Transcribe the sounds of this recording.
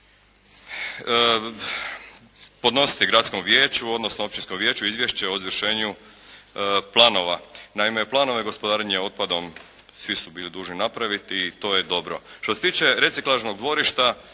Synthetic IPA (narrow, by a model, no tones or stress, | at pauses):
po̞d̪no̞si̥t̪iɡɾat̪sko̞mʋjeːt͡ɕuo̞d̪nosnoo̞p̚t͡ɕinskomʋje̞ːt͡ɕuizʋjeʃt͡ɕeozʋɾʃe̞ːɲu | plˠaːno̞ʋanaime̞plˠaːno̞ʋe̞ɡo̞spod̪aːɾeɲeo̞t̪̚pad̪o̞msʋisubiːlid̪uːʒninapɾaʋit̪it̪o̞ːje̞d̪o̞bɾoʃt̪oset̪iːt͡ɕe̞ɾe̞t̪siklˠaʒno̞ɡd̪ʋo̞ɾiʃt̪a